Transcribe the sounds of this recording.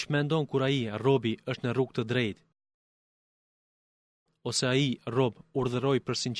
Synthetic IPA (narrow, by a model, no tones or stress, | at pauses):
t͡ʃmɛnd̪ɔnkuɾaiarɔbiəʃt̪nəruɡ̚t̪əd̪ɾɛjt̪ | ɔsɛairɔbuɾðəɾɔjpəɾsin